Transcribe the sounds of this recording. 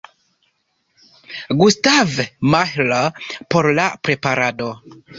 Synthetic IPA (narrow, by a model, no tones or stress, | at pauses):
ɡustavmahlapo̞ɾlapɾe̞paɾado̞